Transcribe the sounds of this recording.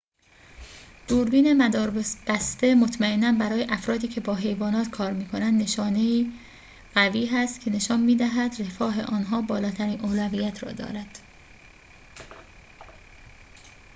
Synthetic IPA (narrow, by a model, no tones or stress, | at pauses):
d̪̥uːɾbiːnemæd̪ɒːɾbb̥æst̪e̞mot̪ʰmæenːænbæɾɒːje̞ʔæfɾɒːd̪iːcʰe̞bɒːɦe̞jvɒːnɒːt̪kʰɒːɾmiːkʰo̞nænd̪ːne̞ʃɒːne̞iː | ɢ̥æviːɦæst̪cʰe̞ne̞ʃɒːnmiːd̪æɦæd̪re̞fɒːɦe̞̰ʔɒːnɦɒːbɒːlɒːt̪ʰæɾiːnʔoːlæviːjæt̪ʰɾɒ̰ːd̪ɒ̰ːɾæd̪̥